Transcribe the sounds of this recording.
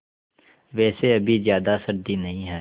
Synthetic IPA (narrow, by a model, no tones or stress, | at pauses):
ʋɛːseɐbʱizjaːd̪asɐɾd̪inɐɦĩɦɛː